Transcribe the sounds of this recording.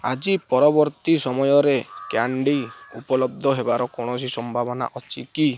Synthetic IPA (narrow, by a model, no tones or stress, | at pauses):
a̰d͡ʒipɔɾɔbɔɾt̪isɔmɔjɔɾekaɳɖiṵpɔlɔbd̪ʱɔɦebaɾɔkɔɽ̃ɔs̬isɔmbʱabɔna̰ʔɔt͡ʃiki